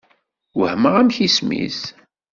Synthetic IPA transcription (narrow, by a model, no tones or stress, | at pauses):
wəhməʁæmçismḭs